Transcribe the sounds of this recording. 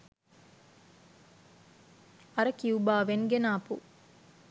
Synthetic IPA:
ɐɾəkiubaːʋeŋɡenaːpṵ

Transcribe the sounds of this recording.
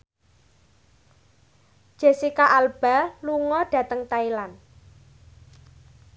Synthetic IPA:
d̥ʒ̥e̤sikaʔalb̥a̤luŋɔɖ̥ä̤t̪əŋt̪ailan

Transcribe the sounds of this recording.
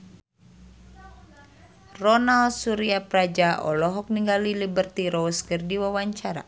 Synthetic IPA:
rɔnalsuɾiapɾad͡ʒaʔɔ̰lɔɦɔk̚niŋɡalilibərt̪iɾɔskɨrdiwawaɲt͡ʃaɾa̰

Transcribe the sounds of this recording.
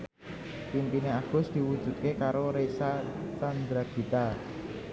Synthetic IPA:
pimpineaɡ̥ʊ̤sd̪̥i̤wud̥ʒ̥ṳt̪̚kekaɾoɾesat͡ʃand̪ɾaɡ̥i̤t̪a

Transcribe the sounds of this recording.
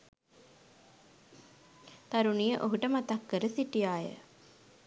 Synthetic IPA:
t̪aɾunijəʔoɦuʈəmat̪akːəɾəsiʈijaːjə̰

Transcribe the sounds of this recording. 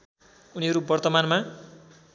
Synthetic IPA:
uniɦʌɾubʌrt̪ʌmanma

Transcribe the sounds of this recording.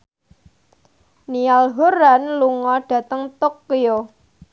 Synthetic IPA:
nialɦoɾanluŋɔɖ̥ä̤t̪əŋt̪okːijo

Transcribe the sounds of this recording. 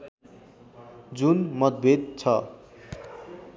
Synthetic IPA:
d͡zunmʌt̪̚bʱed̪̚t͡sʰʌ

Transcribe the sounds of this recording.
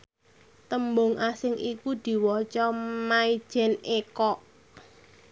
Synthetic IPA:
t̪əmbʊŋʔasɪŋʔikud̪̥i̤wɔt͡ʃɔmai̥ʒ̥ɛ̤nekɔʔ

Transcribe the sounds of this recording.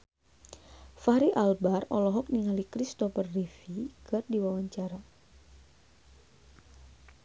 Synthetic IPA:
faɾiʔalbarɔ̰lɔɦɔk̚niŋalikɾist̪ɔfərːifikɨrdiwawaɲt͡ʃaɾa

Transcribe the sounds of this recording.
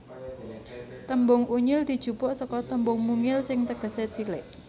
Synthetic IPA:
t̪əmbʊŋuɲɪld̪̥i̤d̥ʒ̥ṳpɔʔsɔkɔt̪əmbʊŋmuŋɪlsɪŋt̪əɡ̥ə̤set͡silɪʔ

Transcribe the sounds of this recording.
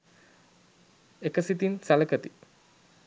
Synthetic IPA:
ekəsit̪insɐlɐkət̪i

